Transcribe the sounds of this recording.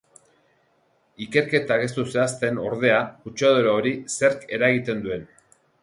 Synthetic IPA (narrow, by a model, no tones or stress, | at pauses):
ike̞ɾke̞t̪aɣ̞e̞st̪useast̪e̞no̞ɾð̞e̞aut͡ʃaðoɾaoɾise̞ɾke̞ɾaɣit̪e̞nd̪ue̞n